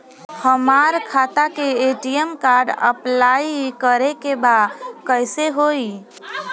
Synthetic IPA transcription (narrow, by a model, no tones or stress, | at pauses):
həmaːɾkʰaːt̪akeeːʈiəmkaːɾɖə̰plaːikəɾekebaːd̪kəɪseɦoːi